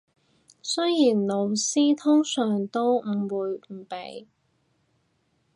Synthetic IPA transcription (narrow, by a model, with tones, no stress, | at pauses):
sɵ˥jjiː˨˩nlo˨˧wsiː˥t̪ʰʊ˥ŋsœː˨˩ŋt̪o˥wm̩˨˩wuː˨˧jm̩˨˩pḛ˨˧j